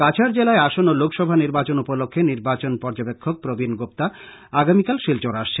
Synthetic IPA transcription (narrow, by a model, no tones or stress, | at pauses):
kat͡ɕʰaɾd͡ʑelaeaʃonolokʰʃɔbʱaniɾbat͡ɕonupolokʰːeniɾbat͡ɕonpɔɾd͡ʑobekʰːok̚pɾobʱinɡop̚t̪a | aɡamikalʃilt͡ɕoɾaʃt͡ɕʰe